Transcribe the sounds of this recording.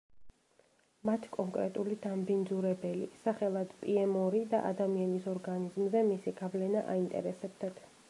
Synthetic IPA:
mat̪ʰkʼɔŋkʼɾɛ̰t̪ʼulid̪ambind̪zuɾɛbɛlḭsaχɛlˠad̪̥pʼiɛmɔɾid̪a̰ʔa̰d̪amianisɔɾɡanizmzɛmisiɡavlɛnaʔa̰int̪ʼɛ̰ɾɛsɛb̚d̪at̪ʰ

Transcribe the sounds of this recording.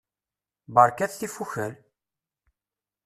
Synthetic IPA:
bəɾˤkæθθifuçəl

